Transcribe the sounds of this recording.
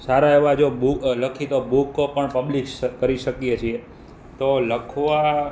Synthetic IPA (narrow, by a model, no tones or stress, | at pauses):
saɾaeʋad͡ʒobukləkʰit̪obukːpəɳpəbliʃkəɾiʃəkiet͡ʃʰie | t̪oləkʰʋa